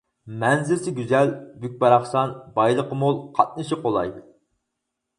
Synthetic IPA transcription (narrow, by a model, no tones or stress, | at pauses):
mɛnzɪɾsɪɡʲyzɛlbyk̚ʲbɑɾɑχsɑnbɑjlˠəqəmulˠqʰɑt̪̚nɨʃiqʰolˠɑ̰jd̪u